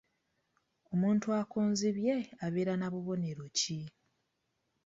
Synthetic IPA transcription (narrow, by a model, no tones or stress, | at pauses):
o̞muːntuakoːnziβje̞aβe̞ːɾanaβuβo̞ne̞ɾo̞ci